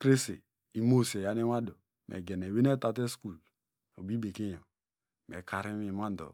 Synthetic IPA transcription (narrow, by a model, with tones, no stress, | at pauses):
kɾe˦sḛ˨ | i˨mo˦se˨ja˨˦ne˦wa˦do˨ | mʔɛ̰˨ɡɛ˨ne˨we˦ne˦ta˨te˦sku˦˨l | o̰˨bi˦be˨ke˦ja˨ | mɛ̰˨ka˨ɾi˦mi˨ma˦n˨do̰˨